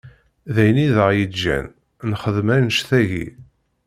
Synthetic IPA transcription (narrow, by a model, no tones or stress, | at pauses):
ðæjniðəʁjid͡ʒːæ̰n | nχəðmænəʃθæʝḭ